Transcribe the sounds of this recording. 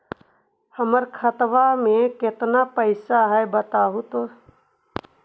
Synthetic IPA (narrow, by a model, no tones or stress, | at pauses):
həməɾkʰət̪ʋamẽkɪt̪napəɪsaɦɛbət̪aːɦut̪o